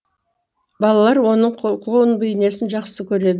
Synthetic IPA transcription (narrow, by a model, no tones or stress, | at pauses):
bɑlˠɑlˠɑɾwo̞nəɴqʰlˠowənbəjɪne̞sɪnʒɑqsəkʲʰɵɾe̞d̪ɪ